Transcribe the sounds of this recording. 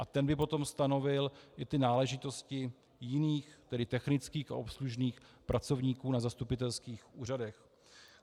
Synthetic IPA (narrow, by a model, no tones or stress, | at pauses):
ʔat̪ɛnbɪpo̞t̪o̞mst̪ano̞vɪlʔɪt̪ɪnaːlɛʒɪt̪o̞scɪ | jɪniːxt̪ɛdɪt̪ɛxnɪt͡skiːxa̰ʔo̞psluʒniːxpɾʔat͡so̞vɲiːkuːnazast̪upɪt̪ɛlskiːxʔuːradɛx